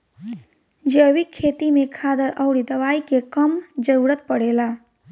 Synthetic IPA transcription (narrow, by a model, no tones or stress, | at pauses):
d͡ʒeːʋikʰːeːt̪imẽkʰaːd̪əɾɐʊɽid̪ɐʋaːikekəmd͡ʒəuɽət̪̚pəɽeːlaː